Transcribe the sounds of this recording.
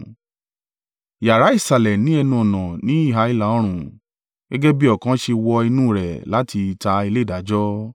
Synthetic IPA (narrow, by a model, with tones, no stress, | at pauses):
ja˨ɾa˨˦i˦˨sa˨lɛ˨nĩ˨˦ɛ˧nũ˧ɔ˨nã˨nĩ˨˦i˦˨ɦa˨˦i˦la˨ɔ˦ɾ̃ũ˦˨ | ɡ̥ɛ˦ɡɛ˦bi˦ɔ˦˨kã˨˦ʃe˧wɔ˧i˧nũː˦˨ɾɛ̰˨la˨˦tʰi˧ta˧i˧le˦i˦˨da˨˦d͡ʒɔ˦